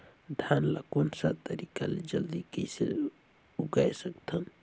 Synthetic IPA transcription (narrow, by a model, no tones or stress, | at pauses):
d̪ʱanlakonsat̪əɾikaled͡ʒɐld̪ikəjsḛ | uɡajsəkt̪ʰɐn